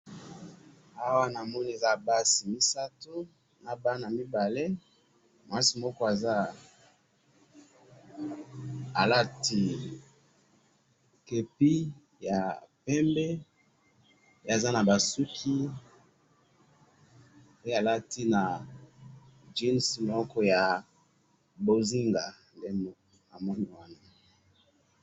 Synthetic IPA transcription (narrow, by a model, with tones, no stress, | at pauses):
a˦wa˦na˨mɔ˦ni˦e˨za˦˨ba˦si˨mi˦sa˦to˦ | na˨ba˦na˨mi˦ba˨le˦ | ma˨a˦si˨mɔ˦kɔ˦a˨za˦ | a˨la˦ti˦ | ke˨pi˦ | ja˨pɛ˦mbɛ˦ | pe˦a˨za˦na˨ba˨su˦kʰi˦ | pe˦a˨la˦ti˦na˨ | d͡ʒi˦nsmɔ˦kɔ˦ja˨ | bo˨zi˦ŋɡa˨ | nde˦mɔ˦˨a˨mɔ˦ni˨wa˦na˨